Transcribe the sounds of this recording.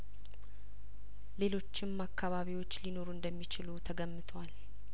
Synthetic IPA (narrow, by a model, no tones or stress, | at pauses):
le̞lo̞t͡ʃːɪmːakːaβaβiwot͡ʃːlino̞ɾuɨnd̪əmːit͡ʃɪlut̪ʰəɡəmːɨt̪ʰwal